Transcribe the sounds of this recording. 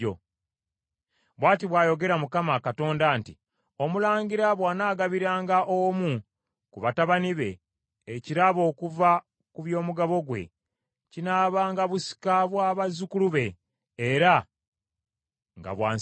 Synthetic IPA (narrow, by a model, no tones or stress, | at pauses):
o̰ | βwaːtiβwaːjo̞ɡe̞ɾamukamakato̞ːndaːnti | o̞mulaːɲɟiɾaβwaːnaːɡaβiɾaːŋɡaʔomu | kuβataβaniβe̞ː | ciɾaβo̞ːkuva | kuβjo̞ːmuɡaβo̞ɡwe̞̰ | cinaːβaːŋɡaβusi̥kaβwaːβazukuluβe̞ː | ɾa | ŋɡa̰βwa̰ː